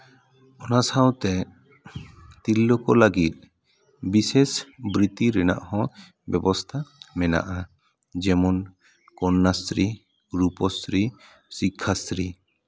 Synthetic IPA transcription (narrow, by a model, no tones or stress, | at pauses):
ɔnasawt̪ɛ | t̪ilːɔkɔlaɡit̪̚ | bisesbɾit̪iɾɛna̰ʔhɔ̃ | bjɛbɔst̪ʰamɛna̰ʔa | d͡ʒɛmɔn | kɔnːasɾi | ɾupɔsɾi | sikʰːasɾi